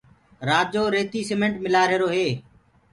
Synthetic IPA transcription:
ɾaːd͡ʒoːɾeːt̪iːsemẽɳʈmɪlaːɾeːɾoːɦeː

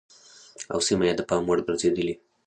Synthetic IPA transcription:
a̰wsimajed̪əpɑmwəɽbɾzed̪əli

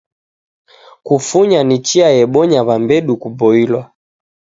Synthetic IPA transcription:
kufuɲanit͡ʃiajɛɓɔɲaβambɛɗukubɔilwa

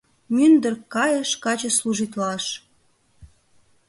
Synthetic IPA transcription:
mynd̪ərkɑjəʃkɑt͡ɕə̆sluʒit̪lɑʃ

